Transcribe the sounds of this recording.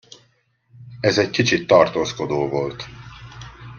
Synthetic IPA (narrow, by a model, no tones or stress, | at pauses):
ɛzɛckit͡ʃit̪ːɒrt̪oːsko̞d̪oːvolt̪